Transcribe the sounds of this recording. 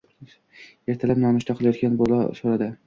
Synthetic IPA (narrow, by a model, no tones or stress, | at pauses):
e̞ɾt̪ʰalapnɒmʊʃt̪aqʰɨlˠajɒt̪̚kʲanbolˠa̰soɾad̪ɪ